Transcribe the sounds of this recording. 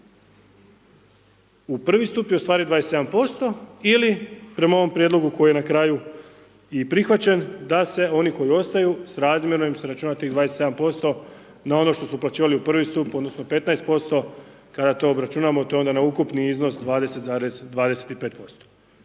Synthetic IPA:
upr̩ʋist̪upjeust̪ʋaːɾid̪ʋaːd̪ese̞d̪ampo̞st̪o̞ilipɾe̞mao̞ʋo̞mpɾjed̪lo̞ɡuko̞jije̞nakɾaːju | ipɾixʋat͡ɕe̞nd̪ase̞o̞niko̞jio̞st̪ajusɾaːzmje̞ɾoimseɾat͡ʃuːnat̪iːɣd̪ʋaːd̪eset̪seampo̞st̪o̞ | nao̞no̞ʃt̪o̞suplat͡ɕiːʋaliupr̩ʋist̪upo̞d̪no̞sno̞pe̞t̪naest̪̚po̞st̪o̞ | kad̪at̪o̞ːbɾat͡ʃunamot̪oo̞nd̪anaukupniizno̞sd̪ʋaːd̪e̞se̞t̪zaːɾezd̪ʋaːd̪e̞set̪ipeːt̪̚po̞st̪o̥

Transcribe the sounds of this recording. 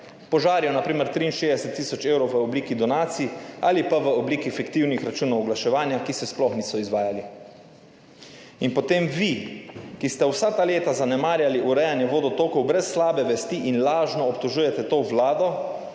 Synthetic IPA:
pɔʒaːɾjjɔnapɾiːmɛɾt̪ɾiːnʃeːd̪ɛsɛt̪ːiːsɔt͡ʃeːwɾɔwʋəobliːkid̪ɔnaːt̪siːaːlipaʋəobliːkifɛkt̪iwnixɾat͡ʃuːnɔwɔɡlaʃɛʋaːnjakisɛsplɔxniːsɔizʋaːjali | inpɔt̪emʋikist̪ɛwsat̪aleːt̪azanɛmaːɾjaliʔuɾɛjanjɛʋoːd̪ɔt̪oːkɔwbɾɛsːlaːbɛʋɛst̪iʔinlaːʒnɔːpt̪ɔʒuːjɛt̪ɛt̪oːʋlaːd̪ɔ

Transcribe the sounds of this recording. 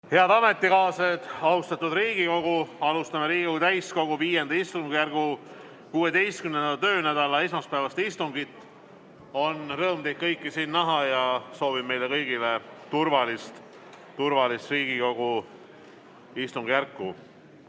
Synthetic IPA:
he̞ɑd̪̥ɑme̞t̪ˑːikɑːsed̪̥ɑust̪ɑt̪ːud̪riːɡ̥iko̞ɡuɑlust̪ɑmeɾiːɡikout̪æjsko̞ɡ̥uviːje̞nd̪̥ɑist̪uŋɡujærɡ̥u | kuːe̞d̪e̞jst̪kymnend̪ɑt̪ø̞ːnæd̪̥ɑlɑesmɑspæːvɑst̪ist̪uŋɡit̪ːˑ | o̞nrɤːmt̪ejt̪̚kɤjkːˑisiːnːɑɦɑjɑso̞ːvibme̞jlekɤjɡ̥ilet̪urvɑlist̪ | t̪urvɑlist̪riːɡ̥iko̞ɡ̥u | ist̪uŋɡ̥jærkːˑu

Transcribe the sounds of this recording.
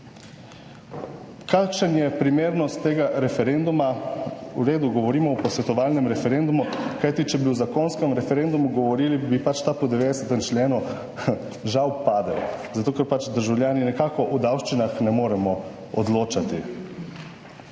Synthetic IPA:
kakʃənjɛpɾimeːɾnɔst̪ːeːɡaɾɛfɛɾend̪umauɾeːd̪uɡɔʋɔɾiːmɔɔpɔsʋɛt̪ɔʋaːlnɛmɾɛfɛɾeːnd̪umukajt̪it͡ʃɛbiuzakonskɛmɾɛfɛɾeːnd̪umuɡɔʋɔɾiːlibipat͡ʃt̪apɔd̪ɛʋeːd̪ɛsɛt̪ɛmt͡ʃlʲeːnu | ʒawpaːd̪ɛ̰wzat̪oːkɛɾpat͡ʃd̪əɾʒawljaːninɛkaːkɔʔud̪awʃt͡ʃinaxnɛmoːɾɛmɔ | ɔd̪loːt͡ʃat̪i

